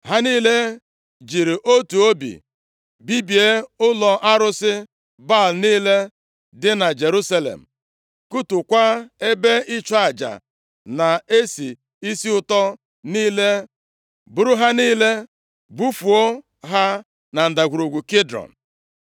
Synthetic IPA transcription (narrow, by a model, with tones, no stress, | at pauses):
ɦa˦niː˦le˦ | d͡ʒi˨ɾi˨ʔo˦tu˨o˦bḭ˨ | bi˦bi˨e˦ʊ˦lɔ˨ʔa˦ɾʊ˦sɪ˦ | ba˦˨l̩˨niː˦le˦ | dɪ˦na˨d͡ʒe˨ɾu˦sa˦lḛ˨m̩˨ | ku˦tʊ˨kʷa˦e˦be˦ɪ˦t͡ʃɔ˦a˨d͡ʒa̰˨ | na˨e˦si˨ | i˦si˦ʊ˦tɔ˦ | niː˦le˦ | bʊ˨ɾʊ˦ɦa˦niː˦le˦ | bu˦fu˨o˦ | ɦa˦ | na˨n̩˨da˨ɡʷu˨ɾo˨ɡʷu˨ki˦dɾɔ̰˨n̩˨